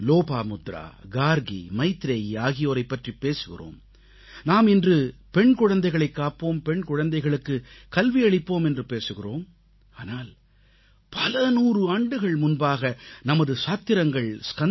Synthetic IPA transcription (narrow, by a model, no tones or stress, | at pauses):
loːpaːmʊd̪ɾa̰ːɡaːɾɣḭmɐɪt̪ːɾeːjiaːɣɪjoːɾɐɪpːɐʈripːeːsɯɣɪ̰ro̰ːm | naːmɪndrɯpɛɳkɔɻɐnd̪ɐɪɣɐɭɐɪkːaːpːoːmpɛɳkɔɻɐnd̪ɐɪɣɐɭɯkːɯkɐlʋiɐɭɪpːoːmɛndrɯpeːsɯɣɪroːm | aːnaːl | pɐlɐnuːrɯaːɳɖɯɣɐɭmʊnbaːɣɐnɐmɐðɯsaːt̪ːɪɾɐŋɡɐɭskɐ